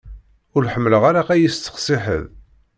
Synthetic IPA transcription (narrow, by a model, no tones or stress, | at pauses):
ʊɾħəmːləʁaɾaqæjist̪ːə̥χsˤɪħə̰ð